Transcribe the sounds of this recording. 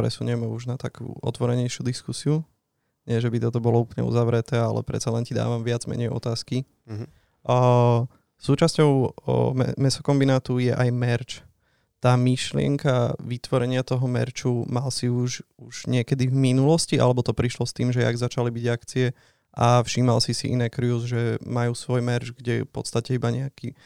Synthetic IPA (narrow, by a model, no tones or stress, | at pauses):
pɾɛ̰suɲɛmɛuʒnat̪akṵɔ̰t̪ʋɔɾɛɲɛjʃjud̪iskusiu | ɲɪɛʒɛbit̪ɔt̪ɔbɔlɔuplɲɛ̰ṵzaʋɾɛt̪ɛːalɛ̰pɾɛ̰t̪t͡salɛncid̪a̰ːʋamʋɪad͡zmɛ̰ɲɛjɔ̰t̪aːski | suːt͡ʃascɔʊɛ̰mɛsɔkɔmbinaːt̪ujɛ̰ʔajmɛɾt͡ʃ | t̪aːmiʃlɪɛ̰ŋkaʋit̪ʋɔɾɛɲɪat̪ɔɦɔmɛ̰ɾt͡ʃumalsiuʒuʒ̥ɲɪɛkɛd̪ivminulɔsciʔa̰lɛbɔt̪ɔpɾiʃlɔst̪iːmʒɛa̰ɡzat͡ʃalibiɟakt͡siɛ | ʔafʃiːmalsisḭʔḭnɛkɾiuzʒɛmajuːsʋɔjmɛɾt͡ʃɡɟɛjɛ̰fpɔt̪st̪acɛibaɲɛaki